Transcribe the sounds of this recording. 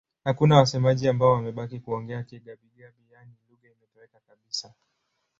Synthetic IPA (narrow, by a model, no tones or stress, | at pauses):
hakunawasɛmaʄiambaɔwamɛɓakikuɔŋɡɛakiɡaɓiɡaɓijaniluɣaimɛtɔwɛkakaɓisa